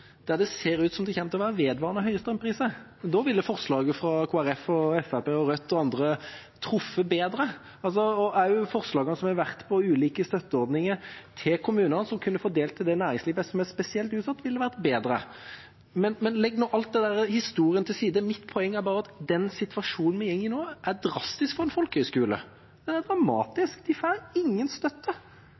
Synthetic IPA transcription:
d̪̥æd̪ɛseːɾʉːt̪sɔmd̪ɛçɛmt̪ɔʋæːɾəʋeːd̪ʋɑːʁnəɦœʏəst̪ɾœmpʰɾiːsə | d̪ɔːʋɪlːəfɔʁslɑːɡəfɾɑkʰuːæɾɛfɔɛfæpeːɔɾœt̪ːɔɑnd̪ɾə | t̪ʰɾʊfːəbeːd̪ɾə | ɑls̬ɔɔæɾjʊfɔɾslɑːɡɑnəsɔmhɑʋæɾt̪pʰɔʉːliːkəst̪œt̪ːəɔɾd̪nɪŋət̪ʰɪlkʰʊmʉːnənəsɔmkʰʉnːəfoːd̪eːlt̪ʰːɪld̪ɛnæːɾɪŋsliːʋəsɔmæspɛsɪɛlt̪ʉːt̪sɑt̪ːʋɪlːəʋæɾt̪beːd̪ɾə̰ | mɛnmɛnlɛɡːnoːʔɑlt̪̚d̪ɛd̪æɾəhɪst̪uːʁɪənt̪ʰɪlsiːd̪əmɪt̪pʰɔɛŋːæɾbɑːɾəɑt̪d̪ɛnsɪt̪ʋɑʂuːnn̩mɛjɛŋːɪnoːʔæd̪ɾɑst̪ɪskfɔɾɛnfɔlkəhœʏskʉːlə̰ | d̪̥ɛnæd̪ɾɑmɑ̰ːt̪ɪskd̪ɪfɑɪŋːənst̪œt̪ːə

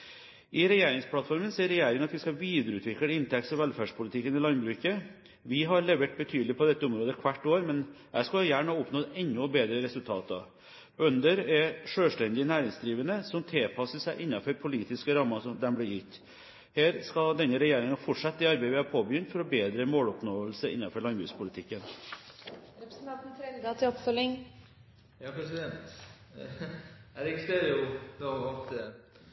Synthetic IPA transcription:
ʔɪɾɛjeːɾɪŋspʰlɑt̪fɔɾmənseːɾɛjeːɾɪŋɑt̪ʋɪskɑʋiːd̪əɾʉːt̪ʰʋɪkːɪnt̪ʰɛk̚tsɔʋɛlfæːɖʂpʰʊlɪt̪ʰɪkːənɪlɑnbɾʉːkə | ʋɪɦɑɾlɛʋɛʈ̚bət̪ʰyːd̪lɪpʰɔd̪ɛt̪ːəʊmɾoːd̪əkʰʋæʈːoːɾmɛn | æ̰ɪʂkɑjæːɳəɑʊpnoːɛnːʊbeːd̪ɾəɾɛsʉlt̪ʰɑ̰ːt̪ɑ̰ | œnd̪əɾɛʂøːʂʈɛnd̪ɪənæːɾɪŋsd̪ɾiːʋənəsɔmt̪ʰɪlpʰɑsəsæɪʔɪnːɑfɔɾpʰʊliːt̪ɪskəɾɑmːɑsɔmd̪ɛnblɪːɾjʏt̪ː | heːɾskɑd̪ɛnːəɾɛjeːɾɪŋɑfɔʈʂɑt̪ːɪɑɾbeɪʋɪhɑːpʰoːbəjʏnt̪fɔɾɔbeːd̪ɾəmoːlɔpnoːəlsəʔɪ̰nːɑfɔɾɭɑnbʉspʰʊlɪt̪ʰɪkːən | ɾɛpɾəsənt̪ʰɑnt̪n̩t̪ʰɾɛɡd̪ɑt̪ʰɪɔpfœlːɪŋ | jɑːpʰɾɛsɪd̪ɛnt̪ | æɾɪkseɾʊd̪oɔt̪

